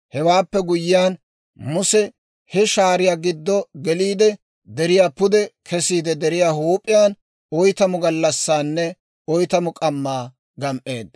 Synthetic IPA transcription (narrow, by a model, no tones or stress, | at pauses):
hɛwaːpːɛɡʊjːɪjaːn | mʊsɛ | hɛʃaːɾɪjaːɡɪd̪ːɔɡɛliːd̪ɛ | d̪ɛɾɪjaːpʊd̪ɛkʰɛsiːd̪ɛd̪ɛɾɪjaːhuːpʼːɪjaːn | ɔjt̪ɐmʊɡɐlːɐsːaːnːɛ | ɔjt̪ɐmʊkʼɐmːaː | ɡɐmʔe̞ːd̪ːɐ